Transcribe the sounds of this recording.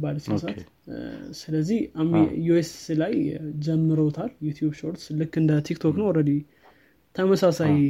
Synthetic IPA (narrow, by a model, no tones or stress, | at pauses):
baləsksat̪ | sɨləzːihamijueslajd͡ʒɛmːɨɾəwt̪ʰaljut̪ʰjubʃo̞ɾt̪slɨkːɨnd̪ət̪ʰikt̪ʰoknəwɾəd̪i | t̪ʰəməsasaj